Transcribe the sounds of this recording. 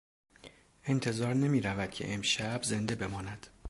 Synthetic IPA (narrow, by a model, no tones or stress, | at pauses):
e̞nt̪ʰe̞zɒːɾne̞miːɾævæd̪̥cʰe̞̰ʔemʃæbze̞nd̪e̞be̞mɒːnæd̪̥